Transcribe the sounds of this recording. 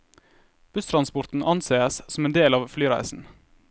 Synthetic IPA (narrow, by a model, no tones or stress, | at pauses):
b̥ʉst̪ʰɾɑnspʊɾt̪n̩ʔɑnseːəssɔmeːnd̪eːlɑːʋflyːɾæ̰ɪsn̩